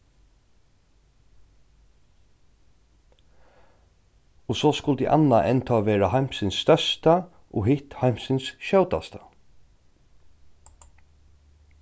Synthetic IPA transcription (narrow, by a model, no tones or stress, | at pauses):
ɔsoːskʊlt̪ḭʔa̰nːaʔɛnt̪ʰɔːʋeːɹahajm̥sɪnsːt̪œst̪a | ʔɔ̰ɦɪht̪hajm̥sɪnsʃœwt̪a̰st̪a